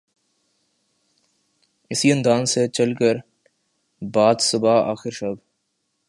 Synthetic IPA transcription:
ɪsiɐ̃nd̪aːnset͡ʃɐlkəɾ | baːd̪sʊbaa̰ːxɪɾʃɐb

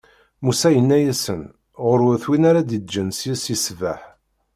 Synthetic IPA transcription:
musæjənːæjæsən | ʁəɾwθwinaɾad̪id͡ʒənsjæsjisvæħ

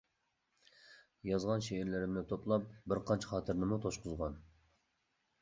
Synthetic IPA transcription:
jɑzʁɑnʃeɪɾlɪɾɪmnɪt̪ʰoplˠɑp̚bɪɾqʰɑnt͡ʃʰɛ̥χɑːt̪ʰɨɾnɪmut̪ʰoʃqʊzʁɑn

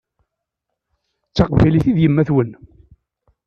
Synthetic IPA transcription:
t͡sːɑqvæliθiðjəmːæθwən

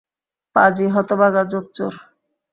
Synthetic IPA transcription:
pad͡ʑiɦɔt̪obaɡad͡ʑotːt͡ʃo̰ɾ

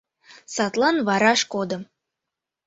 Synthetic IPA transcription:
sɑt̪lˠɑnvɑɾɑʃkod̪ɤ̆m

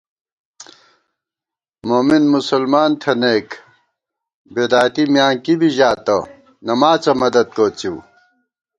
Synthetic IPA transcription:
moːminmusɐlmaːnt̪ʰɐneːk | bed̪aːjt̪imjaːŋkibiʑaːt̪ɐ | nɐmaːt͡sɐmɐd̪ɐd̪̚koːt͡ɕiː

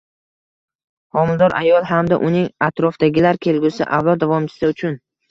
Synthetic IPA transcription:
hɒmɪld̪ɒɾʔa̰jɒlˠɦamd̪a̰ʔʊnɪŋat̪ʰɾɒfd̪aɡʲɪlaɾkʲʰe̞lɡʲʊsɪ̰ʔavlˠɒd̪̚ːavɒmt͡ʃʰɪ̥sɪʊt͡ʃʰʊn

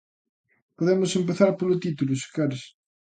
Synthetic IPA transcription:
poðemʊsempeθaɾpolʊt̪it̪ulʊse̥kaɾes

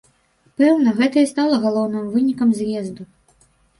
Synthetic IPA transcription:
pɛwnɐɣɛt̪ɐjɐst̪alˠɐɣalˠɔwnɨmvɨnʲikɐmzʲjɛzd̪u

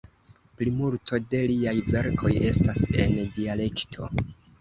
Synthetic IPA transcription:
plimultʰo̞de̞liajve̞ɾkʰo̞je̞stase̞̰ndiale̞ktʰo̞̰

